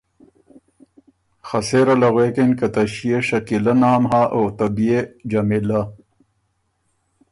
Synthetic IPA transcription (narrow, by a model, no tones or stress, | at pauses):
xɐseɾɐlɐɣweːkenkɐt̪ɐɕijeɕɐkilɐnaːmɦaːʔoːt̪ɐbied͡ʑɐmila